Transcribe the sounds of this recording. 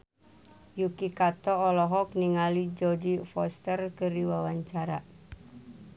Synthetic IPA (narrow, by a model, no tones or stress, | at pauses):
jukikat̪ɔɔlɔɦɔk̚niŋalid͡ʒɔdifɔst̪ərkɨɾiwawaɲt͡ʃaɾa